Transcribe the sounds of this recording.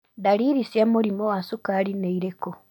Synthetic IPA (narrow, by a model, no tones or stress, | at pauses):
daɾiɾisjamuɾimowasukaɾineiɾeko